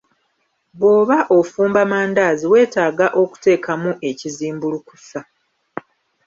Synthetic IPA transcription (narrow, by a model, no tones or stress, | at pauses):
βo̞ːβaʔofuːmbamaːndaːziwe̞ːtaːɡaʔo̞ku̥te̞ːkʰamuʔe̞ciziːmbuluku̥sa